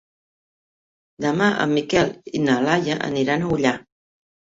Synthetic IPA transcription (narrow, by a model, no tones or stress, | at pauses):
d̪əmaʔə̰mːikɛlinəlajəʔə̰niɾanəuʎa